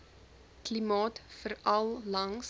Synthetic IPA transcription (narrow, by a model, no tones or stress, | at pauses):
klimɑːtfəɾɐlˠlɐŋs